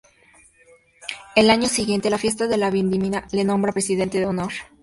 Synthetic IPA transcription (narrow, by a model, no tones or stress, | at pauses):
e̞laɲo̞siɣje̞nt̪e̞lafje̞s̬t̪aðe̞laβind̪iminale̞nõ̞mbɾapɾesiðe̞nt̪eðeonoɾ